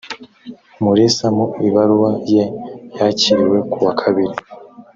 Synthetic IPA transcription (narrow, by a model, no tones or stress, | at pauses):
muɾesamuiβaɾuβajejaciɾiwe̞kuwakʰaβiɾi